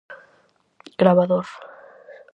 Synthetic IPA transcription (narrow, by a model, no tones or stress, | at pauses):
ɡ̥ɾaβaðoɾ